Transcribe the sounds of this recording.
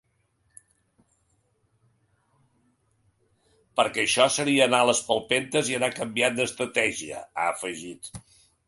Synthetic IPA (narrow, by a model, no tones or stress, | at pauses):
pəɾkɛːʃɔsəɾiəːnaləspəlˠpent̪əziənakəmbiat̪̚d̪əst̪ɾət̪ɛʒiə̰a̰əfəʒit̪